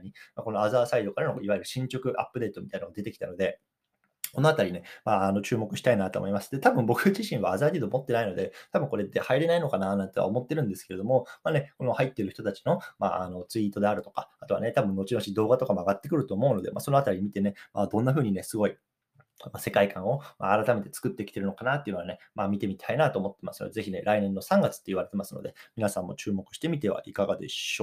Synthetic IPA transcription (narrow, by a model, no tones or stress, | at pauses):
ɲ̟imako̞no̞azaːsaid̪o̞kaɾanoiβaiɾɯ̟ɕĩɲt͡ɕo̞kɯ̟ʔa̰pːɯd̪e̞ːt̪o̞mʲit̪ainaoad̪e̞t̪e̞kʲi̥t̪ano̞d̪e̞ | ko̞no̞at̪aɾʲine̞maːano̞t͡ɕɨːmo̞kɯ̟ɕi̥t̪ainat̪o̰mo̞imasɨ̥d̪e̞t̪abɯ̟̃mbo̞kɯ̟ʑiɕĩɰ̃βa̰ːzaːd̪ʲiːd̪omo̞t̪ːe̞naino̞d̪e̞t̪abɯ̟ŋko̞ɾe̞t̪ːe̞haiɾe̞naino̞kananãnt̪ea̰omo̞t̪ːe̞ɾɯ̟̃nd̪e̞sɨ̥ke̞ɾe̞d̪omo̞maːne̞ko̞no̞hait̪ːeɾɯ̟çi̥t̪ot̪at͡ɕi̥no̞ma̰ːa̰no̞t͡sɨit̪o̞d̪e̞aɾɯ̟t̪o̞̥kḁat̪o̞βa̰ne̞t̪abɯ̃nːo̞t͡ɕino̞ɕid̪o̞ːɡat̪o̞kamoaɡat̪ːekɯ̟ɾɯ̟t̪o̞ːmo̞ɯ̟no̞d̪e̞mʔa̰ːso̞noat̪aɾʲimʲit̪e̞ne̞maːd̪õ̞nːaɸɯ̟ːɲ̟ine̞sɨɡo̞i | mase̞kaikãɰ̃o̞ma̰ːɾat̪ame̞t̪e̞t͡sɨ̥kɯ̟t̪ːe̞ki̥t̪e̞ɾɯno̞kanat̪ːeiɯ̟no̞ane̞ | mamʲit̪e̞mit̪ʰainat̪o̞ːmo̞t̪ːe̞masɨno̰d̪e̞ze̞çʲine̞ɾainẽ̞nːo̞sãŋɡat͡sɨ̥t̪ːe̞iβ̞aɾe̞t̪e̞masɨno̞d̪e̞mʲinasãmːo̞̰t͡ɕɨːmo̞kɯ̟ɕi̥t̪e̞mʲit̪e̞βa̰ʔikaɡa̰d̪e̞̰ɕoː